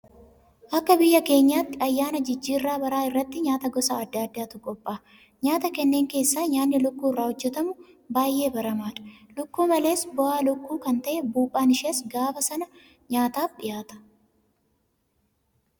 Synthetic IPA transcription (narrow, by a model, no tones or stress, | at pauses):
ʔɐkːɐbɪjːɐke̞ːɲːaːt̪ːɪɐjːaːnɐd͡ʒɪd͡ʒːiːrːaːbɐɾaːɪrːɐt̪ːɪɲaːt̪ɐɡɔsaːɐd̪ːaːd̪ːaːt̪ʊkʼɔpʼːaː | ɲaːt̪ɐkɛnːeːŋke̞ːsːaːɲaːnːɪlʊkːuːɪrːaːhɔd͡ʒːɛt̪ɐmʊ | baːjʔːe̞ːbɐɾɐmaːᶑɐ̥lʊkːuːmɐle̞ːsbɔʔaːlʊkːuːkɐnt̪ɐʔɛbuːpʼːaːnɪʃeːsɡaːbɐsɐnɐ | ɲaːt̪aːfᶑɪjaːt̪ɐ̥